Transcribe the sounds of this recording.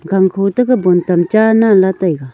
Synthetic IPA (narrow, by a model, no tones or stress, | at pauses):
ɡaŋkʰot̪əkabont̪amt͡ʃanalat̪ajɡa